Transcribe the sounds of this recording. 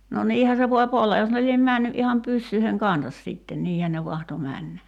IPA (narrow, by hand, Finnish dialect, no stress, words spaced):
no niːhæ se ʋoip olːɑ jos ne liem mæˑnːy ʔihɑm pysːyiheŋ kɑnsɑs siˑtːen niːhæn ne ʋɑhto mænːæ